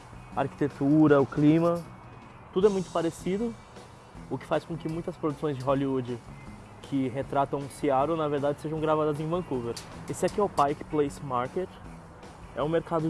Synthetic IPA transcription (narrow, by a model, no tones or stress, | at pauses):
ɐaɾki̥t̪et̪uɾɐʊklĩmɐ | t̪ud̪ʊɛmũj̃t̪ʊ̥paɾesid̪ʊ | ʊkɪ̥fajskõkɪmũj̃t̪ɐspɾod̪usõj̃zd͡ʒɪɦoliud͡ʒɪ | kʰɪɦet̪ɾat̪ɐ̃w̃ũsiaɾʊnaveɾd̪ad͡ʒɪseʒɐ̃w̃ɡɾavad̪ɐzẽj̃vɐ̃kuveɾɪsɪɛkiɔwpajkɪ̥plejsmaɾket͡ʃ | ɛ̰ũmeɾkad̪ʊ